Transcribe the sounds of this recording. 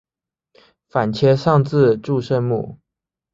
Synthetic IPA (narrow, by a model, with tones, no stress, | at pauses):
fa˨˩nt͡ɕʰjɛ˧˥ʂɑ˥˧ŋt͡sɹ̩˥˧ʈ͡ʂu˥˧ʂə˥˧nmṵ˥˩